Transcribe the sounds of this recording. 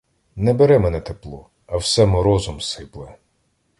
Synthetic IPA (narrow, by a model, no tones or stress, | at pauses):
nɛbɛɾɛmɛnɛt̪eplˠɔ | ɐwsɛmʊɾɔzʊmsɪplˠɪ